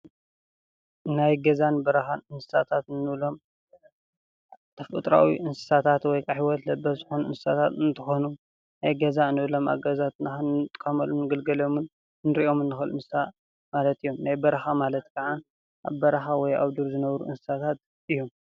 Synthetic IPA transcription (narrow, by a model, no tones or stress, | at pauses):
najɡɐzanbɐɾɐxanɨnsɨ̥sat̪ʰat̪nɨβlo̞m | t̪ʰɐfɨ̰t̪ʼɾa̰wḭʔɨnsɨ̥sat̪ʰat̪wɔjkʰaħiwɔt̪lɐbːɐzɨxonuʔɨnsɨsat̪ʰat̪ɨnt̪ʰɨxonu | najɡɐzaɨnɨβɨlo̞mʔa̰ɡɐzat̪nɨxɐnt̪ʼkʼɐmɐlumnɨɡɐlɡɐlo̞mɨn | nɨɾiʔo̞mɨnːɨxɨlɨnsɨsa | malɐt̪ijːomnajbɐɾɐxamalɐt̪kʰaʕan | ʔaβbɐɾɐxawɔja̰βd̪uɾzɨnɐβɾuʔɨnsɨ̥sat̪ʰat̪̚ | ʔɨjom